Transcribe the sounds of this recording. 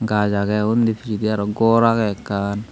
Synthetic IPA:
ŋɡat͡ʃakɛundifit͡ʃidiaɾɔɡɔɾakɛkːan

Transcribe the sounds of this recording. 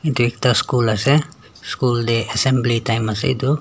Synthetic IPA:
it̪ek̚t̪askulʌsẽ | skuld̪eesembliʈajmʌsḛjd̪u

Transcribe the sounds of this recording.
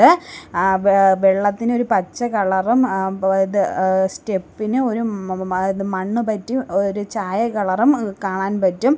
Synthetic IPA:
ɨ | ʋeɭːɐt̪ːino̞ɾupɐt͡ɕːɐkɐɭɐrumiðɨste̞pːinɨo̞ɾu | ðɨmɐɳːupɐtːioɾut͡ɕaːjɐkɐɭɐrumkaːɳaːnpɐtːum

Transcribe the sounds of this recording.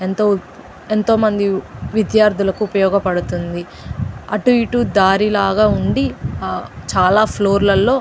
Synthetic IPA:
ent̪o | ent̪o̞ːmɐnd̪iʋid̪jaːɾd̪ʱulɐkuːpɐjɔːɡɐpɐɽut̪und̪i | ɐʈuʋiʈud̪aːɾilaːɡaːuɳɖi | t͡ʃaːlaːpʰloːɾlɐlːo̞ː

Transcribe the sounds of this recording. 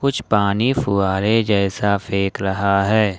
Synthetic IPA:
kʊt͡ʃʰpaːnifʊaːɾed͡ʒɛːsafʰeːkɾɐɦaɦɛː

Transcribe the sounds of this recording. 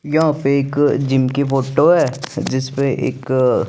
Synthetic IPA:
jɐɦãpeeːkd͡ʒɪmkifoːʈoɦɛːd͡ʒɪspeʔḛːk

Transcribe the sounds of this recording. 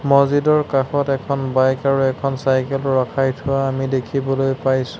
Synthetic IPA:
mɔzidɔɹkaxɔtɛkʰɔnbajkaɹuɛkʰɔnsajkɛlɹakʰajtʰʊaːmidekʰibɔlojpajsʊ̥̃

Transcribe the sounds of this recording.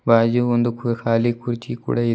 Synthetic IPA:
baːd͡ʒuond̪ukkaːlikuɾit͡ʃikṵːɽɐi

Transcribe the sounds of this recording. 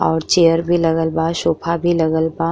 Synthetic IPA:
ɔːɾt͡ʃejəɾbʱilɐɡəlbaʃoːpʰabʱilɐɡəlba

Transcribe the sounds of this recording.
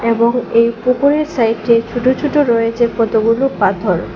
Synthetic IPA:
eboŋejpukoɾeɾsajʈːet͡ɕʰuʈot͡ɕʰuʈoɾɔet͡ɕepɔt̪oɡulopat̪ʰoɾ

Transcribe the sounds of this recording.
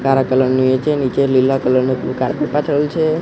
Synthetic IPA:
kaɾakələɾnũet͡ʃʰenit͡ʃelilːakələɾnuukaɾpepat̪ʰəelt͡ʃʰe

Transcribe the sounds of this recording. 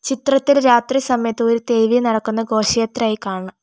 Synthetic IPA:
t͡ɕit̪rɐt̪ːilɾaːt̪risɐmɐjɐt̪ːɨoɾut̪e̞jʋijnɐɽɐkːunːɐɡo̞ːɕijɐt̪ːɾaːjikːaːɳɐɳɐm

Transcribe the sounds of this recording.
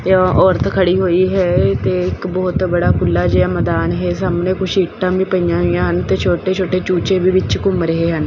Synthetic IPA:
ɔːɾət̪kʰəɽiːɦoːiːɦɛːt̪eːɪkbɔːt̪bəɽaːkʊlːaːd͡ʒeːaməd̪aːnɦeːsaːmnẽːkʊt͡ʃʰiːʈːãːbiːpəijãːɦoijãːɦənt̪eːt͡ʃʰoːʈeːt͡ʃʰoːʈeːt͡ʃuːt͡ʃeːbiːʋɪt͡ʃkʊmɾəɦeːɦən

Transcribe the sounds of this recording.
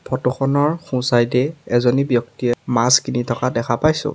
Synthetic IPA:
pʰɔtɔxɔnɔɹxũsajdɛɛzɔnibjɔktiɛmaskinitʰɔkadɛkʰapajsʊ̰

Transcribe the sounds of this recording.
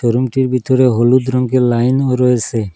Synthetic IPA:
t͡ʃɔɾumʈiɾbʱit̪ɔɾeɦolud̪ɾɔŋkelajnɔɾɔesʰe

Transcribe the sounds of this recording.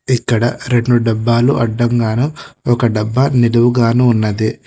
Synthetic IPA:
ikːɐɽɐɾe̞ɳɖuɖɐbːaːluʔɐɖːɐŋɡaːnuɔkɐɖɐbːɐniluʋuɡaːnuːnːɐd̪i

